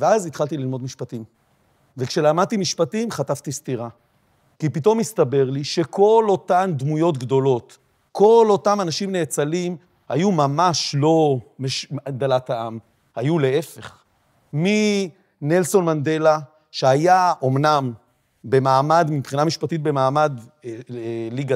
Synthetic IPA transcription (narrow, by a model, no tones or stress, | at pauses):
veazit̪χalt̪ililmo̞dmiʃpatim | vekʃe̞lamad̪̚t̪imiʃpatimχatavt̪istiʁa | kipito̞mist̪abe̞ʁliʃe̞kʰo̞lo̞tamd̪mujo̞t̪̬ɡdo̞lo̞t̪ | ko̞lo̞tamanaʃimneːt͡salim | ha̰jumamaʃlo̞meʃaɡ̚d̪alataam | hajule̞efe̞χ | mi | ne̞lso̞nmand̪e̞la | ʃeajaʔo̞mnam | be̞maːmad̪mipχinamiʃpatit̪̚be̞maːmad̪ | liɡa